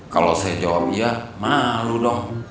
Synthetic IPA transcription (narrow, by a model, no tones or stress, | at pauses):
kalosajad͡ʒawap̚iamaludɔŋ